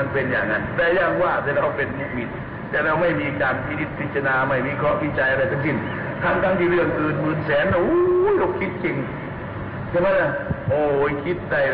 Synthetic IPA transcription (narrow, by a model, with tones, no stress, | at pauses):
npe˨˧njaː˨˩ŋːa˧˥nt̪ɛː˧˩jaː˧˩˨ŋwaː˧˩t̪ʰɛː˧ɾa˧wpe˨nu˧˥k̚mi˧˩t̪̚ | t̪ɛː˧ɾa˧wma˧˩jmiː˧kaː˨npʰi˧ni˧˥t̪̚pʰi˧˥t̪̚sa˧naː˧ma˧˩jmiː˧˥˨kʰɔ˧˥˨kʰi˧˥t̪̚t͡ɕa˧jʔa˧ɾa˧˩jt̪ʰa˧ŋsi˧˩n | kʰa˧˩˨nt̪ʰa˧˥˨ŋt̪iː˧ɾɯ˧˩əŋʔɯː˨˩nmɯː˨˩nsɛː˨˦n˧ʔu˧˦jlo˧˩kʰi˧˥t̪̚ke˧ŋ | t̪ʰɛ˧˦maː˧˥na˧˩˨ʔoː˧˩jkʰi˧˥t̪̚da˧˩j